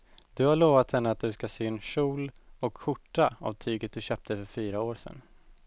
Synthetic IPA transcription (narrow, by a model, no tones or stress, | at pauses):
d̪̥ɵhaɭoːvat̪hɛnːəat̪̚d̪ɵskaseːɛnʂuːlɔkɧʊʈːaa̰vt̪ʰyːɡət̪̚d̪ɵɕøːp̚t̪ʰəfœɾfyːɾaoːɾsɛ̰nː